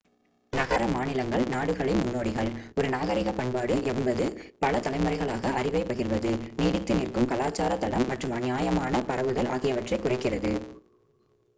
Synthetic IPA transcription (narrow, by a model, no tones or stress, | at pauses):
nɐɣɐɾɐmaːnɪlɐŋɡɐɭnaːɽɯɣɐɭɪnmʊnːoːɽɪɣɐɭɔɾɯnaːɣɐɾɪɣɐpɐɳpaːɽɯʔɛmbɐðɯpɐlɐt̪ɐlɐɪmɐɾɐɪɣɐɭaːɣɐɐrɪʋɐɪpɐɣɪrʋɐðɯniːɽɪt̪ːɯnɪrkɯmkɐlaːt͡ʃːaːɾɐt̪ːɐɽɐmːɐʈrɯmɐnɪjaːjɐmaːnɐpɐɾɐʋɯðɐlaːɣɪjɐʋɐʈrɐɪkːʊrɐɪkːɪrɐðɯ